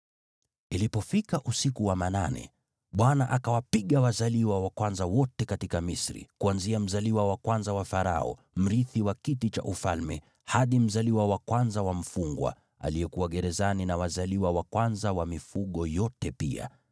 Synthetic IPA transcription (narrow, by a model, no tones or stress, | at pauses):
ilipɔfikaʔusikuwamananɛ̰ | ɓwanaʔakawapiɠawazaliwawakwanzawɔtɛkatikamisɾḭkuanziam̩zaliwawakwanzawafaɾa̰ɔ̰ | m̩ɾiθiwakitit͡ʃa̰ʔufalmɛ | haɗim̩zaliwawakwanzawam̩fuŋɡwa̰ | a̰liɛkuwaɠɛɾɛzaninawazaliwawakwanzawamifuɠɔjɔtɛpia̰